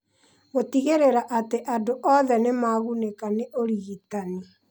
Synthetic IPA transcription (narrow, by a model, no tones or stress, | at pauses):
ɣotiɣeɾeɾaʔateʔadoʔɔðɛnemaɣunekaneʔoɾiːtani